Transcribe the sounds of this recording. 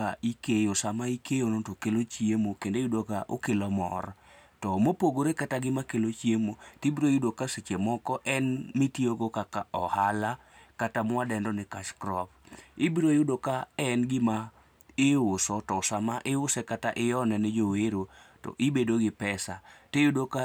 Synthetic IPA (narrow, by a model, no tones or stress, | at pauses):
aikejosamaikejonotokelot͡ʃjemokendejudokaʔo̰kelɔmɔ̰r | tɔmopoɡoɾekataɡɪmakelot͡ʃjemotibiɾojudokaset͡ʃemɔkɔʔɛnmɪtioɡokakaɔhala | katamwadɛndɔnɪkat͡ʃkɾɔp̚ɪbiɾojudokaɛnɡɪma | ɪʊsɔtɔsamaʔɪʊsɛkataʔɪjɔnɛnɛd͡ʒoweɾo | tɔ̰ʔibedoɡɪpɛsatejudoka